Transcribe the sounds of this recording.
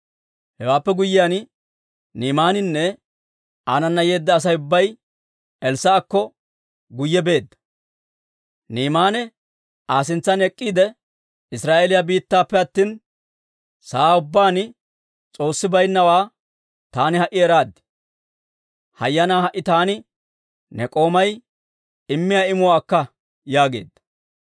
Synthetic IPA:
hɛwaːpːɛɡʊjːɪjan | niːmaːnɪnːɛ | aːnɐnːɐje̞ːd̪ːɐːs̬ɐjʊbːɐj | ɛlsaːkːɔ | ɡʊjːɛbe̞ːd̪ːɐ̥ | niːmaːnɛ | aːs̬ɪnt͡sːɐnɛkʼːiːd̪ɛ | ɪsɾaːʔelɪjabiːt̪ːaːpːɛɐt̪ːiːn | saːʊbːaːnɪ | t͡sʼo̞ːsːɪbɐjnːɐwaː | t̪aːnɪhɐʔɪɛɾaːd̪ɛ̥ | hɐ̰jːɐnaːhɐʔɪt̪aːnɪ | nɛkʼo̞ːmɐj | ɪmːɪjaɪmʊwaːkːɐ | jaːɡe̞̰ːd̪ːɐ̥

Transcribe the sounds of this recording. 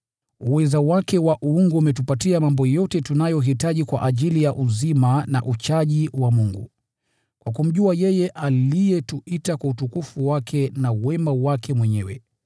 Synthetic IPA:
uwɛzawakɛwaʔuuŋɡuumɛtupatiamambɔjɔtɛtunajɔɦitaʄikwaʔaʄilijaʔuzimana̰ʔut͡ʃaʄiwamuŋɡṵ | kwakum̩ʄuajɛjɛʔalijɛtuitakwautukufuwakʰɛnawɛmawakʰɛmwɛɲɛwɛ̰

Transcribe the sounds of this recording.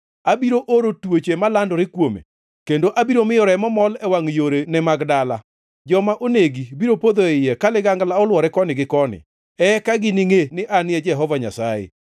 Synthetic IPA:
abiɾoʔoɾotwot͡ʃemalandɔɾɪkwomḛ | kendoʔabiɾomɪjɔɾɛmɔmɔlɛwaŋjoɾenɛmaɡdala | d͡ʒɔmaʔoneɡibiɾopod̪oɪjɛkalɪɡaŋɡlaɔlwɔɾɛkɔnɪɡɪkɔnɪ̰ | ɛkaɡɪnɪŋenɪʔanɪɛd͡ʒɛɦɔvaɲa̰sajḛ

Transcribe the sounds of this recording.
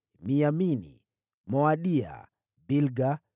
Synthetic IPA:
miaminḭ | mɔaɗia̰ | bilɡa

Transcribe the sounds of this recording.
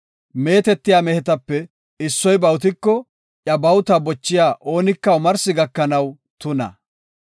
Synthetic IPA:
me̞ːt̪ɛt̪ːɪjaːmɛhɛt̪ɐpːɛ | ɪsːɔjbɐwʊt̪̬ɪkːɔ | ʔjɐbɐwt̪ɐbɔt͡ʃːɪjaːʔo̞ːnɪkːɐʊmɐɾsɪɡɐkːɐnɐw | t̪ʊnɐ̰

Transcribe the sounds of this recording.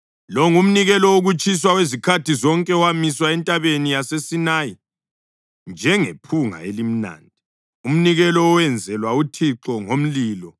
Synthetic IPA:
lɔŋum̩niɣɛlɔoɣut͡ʃʼis̬wawezikʰatʰizɔŋkʼɛɔwamiswaɛntʼaβenijasesinaji | nd͡ʒʱɛŋepʰuŋa̰elim̩na̰ːndʱi | um̩niɣɛlɔːwɛnd͡zʱɛlwautʰiǁɔŋom̩liːlɔ

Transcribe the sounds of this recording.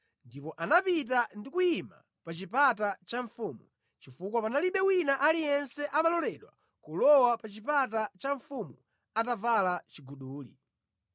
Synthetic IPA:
ndipɔʔanapit̬andikuima̰ | pat͡ʃipat̬at͡ʃaɱfuːmu | t͡ʃifukwapanaliɓɛwinaʔalijɛnsɛʔanalɔlɛɗwa | kulɔwapat͡ʃipat̬at͡ʃaɱfumu | atavalat͡ʃiɡuɗuːlḭ

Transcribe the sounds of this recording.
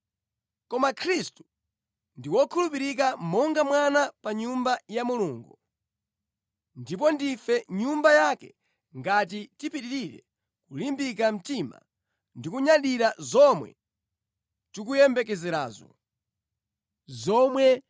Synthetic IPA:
kɔmakʰɾistu̥ | ndiwɔkʰulupiɾik̬amɔŋɡamwanapaɲumbajamuluːŋɡu | ndip̬ɔndifɛɲumbajakɛ | ŋɡat̬itipiɗiɾiɾɛ̰ | kulimbikam̩tima̰ | ndikuɲaɗiɾazɔmwɛ̰ | tik̬ujɛmbɛkɛzɛɾa̰ːzɔ̰ | zɔmwɛ

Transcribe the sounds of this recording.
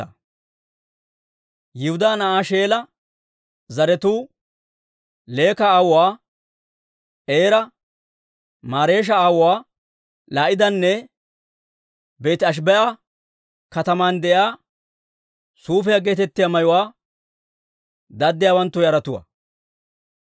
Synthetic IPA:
jɪhʊd̪aːnɐʔaːʃeːlɐ | zɐɾɛt̪uː | le̞ːkɐaːwʊwaː | ʔeːɾɐ | maːɾe̞ːʃ̬ɐaːwʊwaː | laːʔɪd̪ɐnːɛ | be̞ːt̪ɪɐʃ̬bɛʔɐ | kɐt̪ɐmaːnd̪ɛʔjaː | suːfɛjaɡe̞ːt̪ɛt̪ːɪjamɐjʊwaː | d̪ɐd̪ːɪjaːwɐnt̪ːʊjɐɾɐt̪ʊwɐ̰

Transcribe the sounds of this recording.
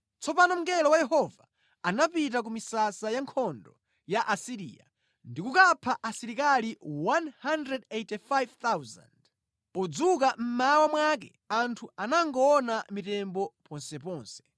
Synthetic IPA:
t͡sɔpanɔm̩ŋɡɛlɔwajɛhɔvaː | napit̬ak̬umisasajaŋkʰɔndɔ̰ | jaʔasiɾḭja̰ | ndikukapʰaʔasiɾikaliwanhandɾɛdejtifajvt̪awza̰nd | ɔd͡zuk̬am̩mawamwak̬ɛ̰ | antʰuanaŋɡɔːnamitɛmbɔpɔnsɛpɔːnsɛ̥

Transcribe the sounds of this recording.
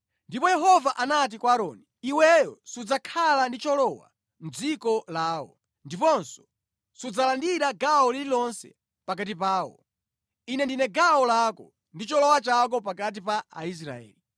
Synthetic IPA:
ndipɔjɛɦɔvaʔanat̬ikwaːɾɔːniiwɛjɔsud͡zakʰalandit͡ʃɔlɔwa̰ | m̩d͡zikɔlaːwɔ̰ | ndipɔnsɔ̥ | sud͡zalandiɾaɡawɔlililɔnsɛ̰ | pakatipaːwɔ̰ | inɛndinɛɡawɔlakɔ | ndit͡ʃɔlɔwat͡ʃak̬ɔpakat̬ipaa̰is̬ɾa̰ɛ̰ːli

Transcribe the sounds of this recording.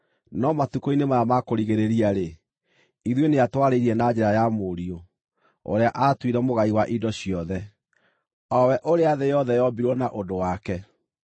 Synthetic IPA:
nɔmatukoinemaamakoɾiɣeɾeɾiaɾe | iðweneatwaɾeiɾiɛnad͡ʑɛɾajamoɾio | o̰ɾeaʔatwiɾɛmoɣaiwaʔidɔɕiɔðɛ | ɔwɛʔoɾeaðejɔðɛjɔbiɾwɔnaʔodowakɛ

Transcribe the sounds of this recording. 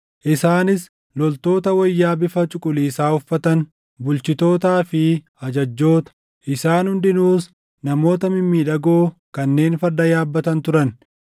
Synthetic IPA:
ʔɪsaːnɪs | lɔlt̪o̞ːt̪ɐwɐjːaːbɪfɐt͡ʃʼʊkʼʊliːsaːhʊfːɐt̪ɐn | bʊlt͡ʃɪt̪o̞ːt̪aːfɪ | ɐd͡ʒɐd͡ʒːo̞ːt̪ɐ̥ | ʔɪsaːnhʊnd̪ɪnuːs | nɐmo̞ːt̪ɐmɪmːiːᶑɐɡoːkɐnːe̞ːnfɐɾd̪ɐjaːbːɐt̪ɐnt̪ʊɾɐn

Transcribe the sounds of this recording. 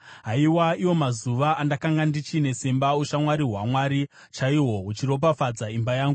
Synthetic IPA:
ɦaiwaiwo̞mazuʋaːndakaŋɡandit͡ʃine̞sembauʃamwaɾiɦwamwaɾi | t͡ʃaiwo̞ut͡ʃiɾo̞p̬afad͡zaimbajaːŋɡu

